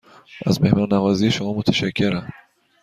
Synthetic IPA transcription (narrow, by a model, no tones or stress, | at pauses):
ʔæ̰zmehmɒɾnævɒːziːjeʃomɒːmot̪ʰæʃæcʰːeɾæm